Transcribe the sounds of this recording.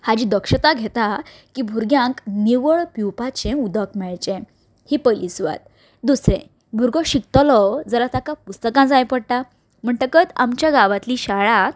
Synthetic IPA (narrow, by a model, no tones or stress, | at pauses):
had͡ʑĩd̪əkʂət̪aɡʱet̪a | kiːbʱuɾɡjãŋkniʋəɭpiwpat͡ɕẽud̪əkmɛɭt͡ɕẽ | hipəlisʋa̰t̪̚ | d̪usɾḛ̃ | bʱuɾɡɔɕik̚t̪əlɔd͡zəlat̪akapust̪əkãd͡zajpəɽt̪a | m̤əɳʈəkət̪amt͡ɕjaɡaʋat̪liɕaɭa